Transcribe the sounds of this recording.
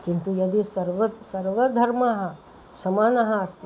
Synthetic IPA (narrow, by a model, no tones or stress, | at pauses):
kint̪ujɐd̪isɐɾʋɐsɐɾʋɐd̪ʱɐɾmaɦɐ̆ | ʃɐmaːnɐɦɐɐst̪